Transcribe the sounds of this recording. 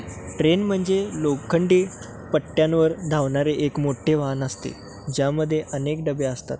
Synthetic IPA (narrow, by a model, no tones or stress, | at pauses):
ʈɾenm̤əɳd͡zelokkʰːəɳɖiː | pəʈːjanʋəɾd̪ʱaʋɳaɾeʔekmoʈʰeʋanəst̪ḛ | d͡ʑjaməd̪ʱːjeʔənek̚ɖəbeəst̪a̰t̪̚